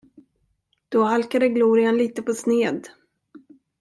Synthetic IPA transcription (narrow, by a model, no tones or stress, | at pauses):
d̪̥ɔhalkad̪əɡluːɾɪanliːt̪əpʰɔsneːd̪